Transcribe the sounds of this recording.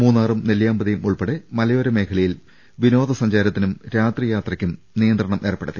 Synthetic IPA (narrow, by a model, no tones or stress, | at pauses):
muːnːaːrumneljaːmbɐðijumuɭpeɽemɐlɐjo̞ːɾɐme̞ːkʰɐɭɐjil | ʋino̞ːd̪ɐsɐɲd͡ʑaːɾɐt̪ːinumɾaːt̪rijaːt̪rɐkʲːum | nijɐnd̪rɐɳɐmʔeːrɐpːeɽɐt̪ːi